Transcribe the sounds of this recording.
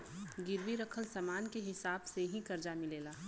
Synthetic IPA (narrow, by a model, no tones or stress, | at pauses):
ɡɪɾʋiɾɐkʰəlsamaːnkeɦɪsaːbseɦĩkɐɾd͡ʒamɪleːlaː